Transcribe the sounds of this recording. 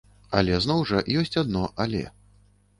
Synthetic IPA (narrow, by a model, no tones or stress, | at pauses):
a̰lʲɛznɔwʐɐjɔsʲt͡sʲad̪̚nɔʔalʲɛ̰